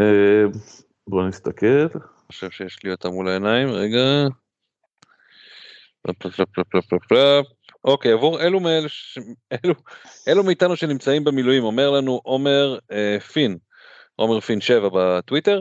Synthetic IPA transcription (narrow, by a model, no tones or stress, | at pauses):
e | bonist̪akel | oʃevʃejeʃliot̪amulaenaimʁeɡa | pla̰plaplaplaplaplaplap̚ | ʔo̞kejavuʁelumeleluʔe̞lumiːtanuʃe̞nimt͡saimbemilujimo̞me̞ʁlanuʔo̞me̞ʁefin | ʔo̞me̞ʁfinʃe̞vabatwite̞ʁ